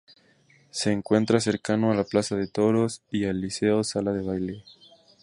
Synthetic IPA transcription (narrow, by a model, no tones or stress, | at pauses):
se̞ːŋkwe̞nt̪ɾas̬e̞ɾkano̞alaplasaðe̞t̪o̞ɾo̞sialːise̞osalaðe̞β̞ajle